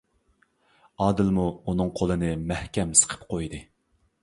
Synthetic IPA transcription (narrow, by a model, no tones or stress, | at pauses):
ɑːd̪ɨlmuunɨŋqʰolˠɨnɨmæhkʲɛmsə̥qʰə̥p̚qʰojd̪ɨ